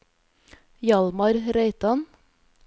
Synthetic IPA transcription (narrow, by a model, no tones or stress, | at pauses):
jɑlmɑɾɾeɪt̪ɑn